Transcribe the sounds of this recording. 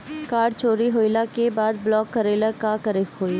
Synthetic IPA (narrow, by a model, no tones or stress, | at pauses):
kaːɾɖt͡ʃoːɾiɦoːjlakebaːd̪̚blɔːkːəɾeːləkakəɾɪkɦoːi